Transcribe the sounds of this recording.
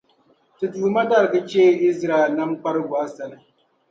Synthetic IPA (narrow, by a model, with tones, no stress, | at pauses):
tɨ˨tuː˨ma˦ta˦˨ɾɨ˨kɨ˦t͡ʃeː˦i˦zɾa˨ɛ˨lna˦mk͡pa˦ɾɨ˦ɡwa˦sa˨lɨ˨